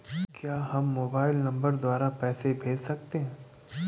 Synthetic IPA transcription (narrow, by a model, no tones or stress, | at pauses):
kjaːɦɐmːoːbaːɪlnɐ̃mbəɾd̪waːɾapɛːsebʱeːd͡ʒsɐk̚t̪eɦɛ̃ː